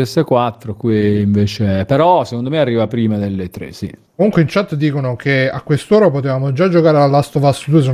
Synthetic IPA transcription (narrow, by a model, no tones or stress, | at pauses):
ɛsekwat̪ːɾokwiːɱveːt͡ʃepeɾɔsekond̪omearːiːvapɾiːmad̪elːet̪ɾḛsḭkomuŋkweint͡ʃat̪ːd̪iːkonokea̰kːwest̪oːɾapot̪evaːmod͡ʒad͡ʒokaːɾealːast̪ovast̪ːod̪ues̬o